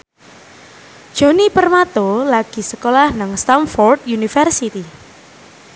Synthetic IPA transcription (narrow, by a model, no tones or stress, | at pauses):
d̥ʒ̥o̤nipərmat̪olaɡ̥i̤səkolahnaŋst̪amfɔrd̪junifərsit̪i